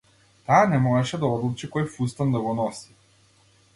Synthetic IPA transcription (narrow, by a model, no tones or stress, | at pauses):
t̪aːnɛmɔɛʃɛd̪aɔd̪lˠut͡ʃikɔjfust̪and̪aɡɔnɔsi̥